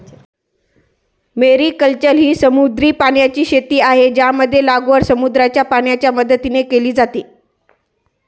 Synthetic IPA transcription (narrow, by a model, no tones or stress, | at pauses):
meɾiːkəlt͡ɕəlɦiːsəmud̪ɾiːpaɳjat͡ɕiːɕet̪iːaɦed͡ʑjaməd̪ʱːjelaɡʋəɾsəmud̪ɾat͡ɕjapaɳjat͡ɕjaməd̪ət̪inekeliːd͡zat̪iː